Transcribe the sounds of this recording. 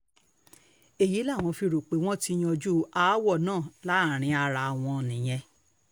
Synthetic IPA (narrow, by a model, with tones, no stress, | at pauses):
e˨ji˨˦la˦˨w̃ɔ̃˧fi˧ɾo˨k͡pe˨˦w̃ɔ̃˦ti˦j̃ɔ̃˧d͡ʒu˦a˦wɔ˦˨nãː˦˨la˨˦˨ɾ̃ĩ˧˦a˧ɾa˧w̃ɔ̃˧˨nĩ˨j̃ɛ̃˧